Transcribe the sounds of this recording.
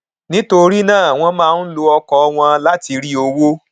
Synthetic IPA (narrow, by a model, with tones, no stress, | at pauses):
nĩ˦to˧ɾi˦nãː˦˨a˨w̃ɔ̃˧mãː˦˧n̩˦lo˧ɔ˧kɔ˧ɔ˧w̃ɔ̃˧la˦ti˧ɾi˦o˧wo˦